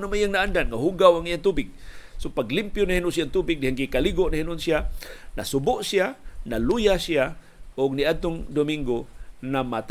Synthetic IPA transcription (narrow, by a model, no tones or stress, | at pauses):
namajaŋnaʔandanŋaɦuɡawaŋijaŋt̪ubɪɡ̚sopaɡlimpjʊnahinʊʔsiaŋt̪ubɪk̚dihaŋɡikaliɡoʔnahinʊʔnsiana̰sʊbʊʔsianalujasia | ʔʊɡ̚niad̪̚t̪ʊŋd̪omiŋɡonamat̪